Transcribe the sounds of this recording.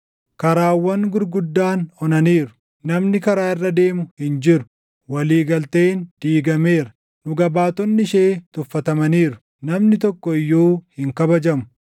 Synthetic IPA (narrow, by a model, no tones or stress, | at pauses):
kɐɾaːwːɐnɡʊɾɡʊd̪ːaːnhɔnɐniːɾʊ̥ | nɐmnɪkɐɾaːɪrːɐd̪e̞ːmʊhɪnd͡ʒɪɾʊ̥ | wɐliːɡɐlt̪eːnd̪̥iːɡɐme̞ːɾɐ̥ | nʊɡɐbaːt̪ɔnːɪʃeːt̪ʊfːɐt̪ɐmɐniːɾʊ̥ | nɐmnɪt̪ɔkːɔɪjːoːhɪŋkɐbɐd͡ʒɐmʊ̥